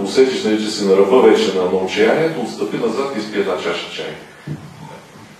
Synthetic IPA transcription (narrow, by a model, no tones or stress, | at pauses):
ʊsɛt̪iʃnɐit͡ʃɛsɛnɐɾɐvɤvɛt͡ʃɛnɐːnɔʊt͡ʃɛjaniɛt̪oːt̪st̪əpinɐzat̪ispiɛt̪nat͡ʃaʃt͡ʃajn